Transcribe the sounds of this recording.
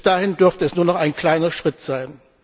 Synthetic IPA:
sd̥aːhɪndʏɐftəɛsnuːɐnɔχaɪnkl̥aɪnɐʃʁ̥ɪtz̥aɪn

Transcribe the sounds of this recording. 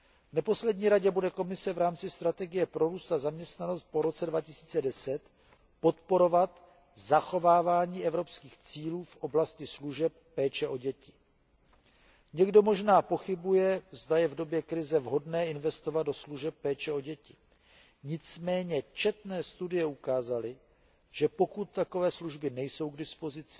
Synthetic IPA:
vnɛpo̞slɛdɲiːɾaɟɛbudɛko̞mɪsɛvɾaːmt͡sɪst̪ɾat̪ɛɡɪjɛpɾo̞ɾuːst̪azamɲɛst̪nano̞st̪̚po̞ɾo̞t͡sɛdvacɪsi̥ːt͡sɛdɛsɛt̪ | po̞t̪po̞ɾo̞vat̪ | zaxo̞vaːvaːɲiːʔɛvɾo̞pskiːxt͡siːluːfʔo̞blascɪsluʒɛp̚ːɛːt͡ʃɛʔo̞ɟɛcɪ | ɲɛɡdo̞mo̞ʒnaːpo̞xɪbujɛzdajɛvdo̞bjɛkɾɪzɛvɦo̞dnɛːɪnvɛst̪o̞vad̪do̞sluʒɛp̚ːɛːt͡ʃɛo̞ɟɛcɪ | ɲɪt͡smɛːɲɛt͡ʃɛt̪nɛːst̪udɪjɛukaːzalɪ | ʒ̥ɛpo̞kut̪ːako̞vɛːsluʒbɪnɛjso̞wɡdɪspo̞zɪt͡sɪ̥

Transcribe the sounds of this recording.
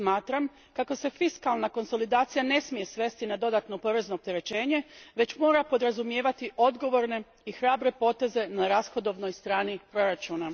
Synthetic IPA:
maːt̪ɾam | kako̞se̞fiskalnako̞nso̞lid̪aːt̪sijane̞smije̞sʋe̞st̪inad̪o̞d̪at̪no̞po̞ɾe̞zno̞ːp̚t̪eɾe̞t͡ɕe̞ːɲe̞ʋe̞t͡ɕmo̞ːɾapo̞d̪ɾazumje̞ːʋat̪iʔo̞d̪ɡo̞ʋo̞ɾne̞ | ixɾaːbɾe̞po̞ːt̪e̞ze̞naɾasxo̞d̪o̞ʋno̞jst̪ɾaːnipɾo̞ɾat͡ʃuːna

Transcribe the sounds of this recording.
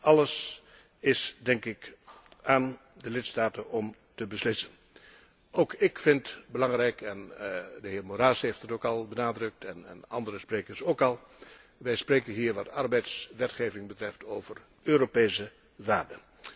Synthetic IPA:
ɑləs | ɪsdɛŋkɪk | ʔaːn | dəlɪtstaːtənɔm | təbəslɪsən | owkɪkfɪntbəlɑŋrɛjkɛndəɦɪːɹmoɾaːshejftətokɑlˠbənaːdrɵk̚tʰɛn̰nɑ̰ndəɾəspreːkəɹsowkɑlˠ | ʋɛjspreːkənɦiːɹʋɑtʰɑrbɛjtsʋɛtχeːvɪŋbətrɛftʰowvər | øːɾopejsə | ʋaːrdə

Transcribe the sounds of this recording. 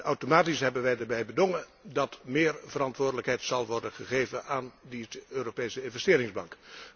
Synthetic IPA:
awtomaːtisɦɛbənʋɛjdəɹbɛjbədoŋədɑtmɪːɹv̥əɾɑntʋʊːɹdələkɦɛjtsɑlˠʋɔɹdənχəχejvənaːndiøːɾopejsəɪnvɛstɪːɾɪŋzbɑŋk

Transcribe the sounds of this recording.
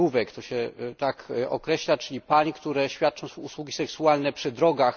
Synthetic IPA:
uvɛkt̪ɔɕɛt̪akʔɔkɾɛɕlat͡ʂɘlʲipaɲikt̪uɾɛɕfʲjat̪̚t͡ʂɔ̃w̃uswuɡʲisɛksualnɛpʂɘd̪ɾɔɡax

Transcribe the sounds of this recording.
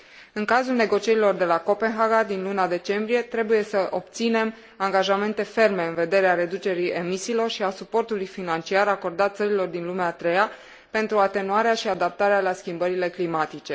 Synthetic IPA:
ɨŋkazulne̞ɡo̞t͡ʃije̞ɾilo̞rd̪e̞lako̞pe̞nɦaɡad̪inlunad̪e̞t͡ʃe̞mbɾije̞t̪ɾe̞buje̞səʔo̞p̚t̪sine̞m | aŋɡaʒame̞nt̪e̞fe̞rme̞ɨnve̞d̪e̞ɾeaɾe̞d̪ut͡ʃe̞ɾie̞misiːlo̞rʃiasupo̞rt̪ulujfinant͡ʃiaɾako̞rd̪at̪t̪səɾilo̞rd̪inlumeaːt̪ɾe̞ja | pe̞nt̪ɾuat̪e̞nuaɾeaʃiad̪ap̚t̪aɾealaskʲimbəɾile̞klimat̪it͡ʃe̞

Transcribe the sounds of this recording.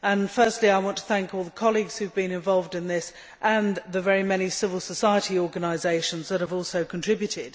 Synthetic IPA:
ə̃nfɜˑ˞stˡliaɪwɑ̃ntʰə̥θæ̃ŋkɔlˠðəkʰɑlˠiɡz̥hʉvbĩnɨ̃ɱvɑlˠvdɨ̃nðɪs | ʔə̃nðəvɛɹimɛñisɪvəl̩ˠsəsaɪətiɔɹɡənaɪzeɪʃə̃nzðət̚həvɔˑlˠsəʊkʰntʰɹ̥ɪbjʉtɪd̥

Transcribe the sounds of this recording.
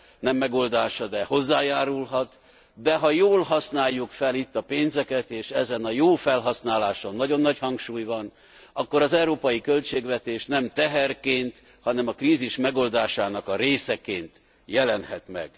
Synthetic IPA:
nɛmːɛɡo̞ld̪aːʃɒd̪ɛho̞zːaːjaːɾulɦɒt̪ | d̪ɛɦɒjoːlɦɒsnaːjːukfɛlit̪ːɒpeːnzɛkɛt̪eːʃɛzɛnɒjoːfɛlɦɒsnaːlaːʃonːɒɟo̞nːɒchɒŋkʃuːjvɒn | ɒkːo̞ɾɒzɛwɾoːpɒjikø̞lt͡ʃeːɡvɛt̪eːʃnɛmt̪ɛɦɛrkeːnt̪ | hɒnɛmɒkriːziʃmɛɡo̞ld̪aːʃaːnɒkɒɾeːsɛkeːnt̪ | jɛlɛnhɛt̪mɛ̰ɡ̥

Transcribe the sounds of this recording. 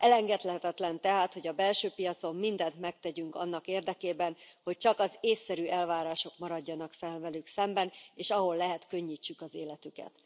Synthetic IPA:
ʔɛlɛŋɡɛt̪lɛɦɛt̪ɛt̪lɛnt̪ɛɦaːt̪ho̞ɟɒbɛlʃøːpijɒt̪so̞mːind̪ɛnt̪mɛkt̪ɛɟyŋkɒnːɒkeːrd̪ɛkeːbɛnho̞c̚t͡ʃɒkɒzeːsːɛɾyɛlvaːɾaːʃo̞kmɒɾɒɟːɒnɒkfɛlvɛlyksɛmbɛneːʃɒɦo̞lːɛɦɛt̪kø̞ɲːiːt͡ʃːykɒzeːlɛt̪ykɛ̰t̪

